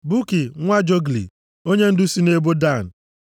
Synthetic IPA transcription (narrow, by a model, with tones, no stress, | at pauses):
bu˦ki˨ŋʷa˦d͡ʒo˦ɡlḭ˨ | o˦ɲe˦n̩˦dʊ˦si˦ne˦bo˦da˦˨n̩˨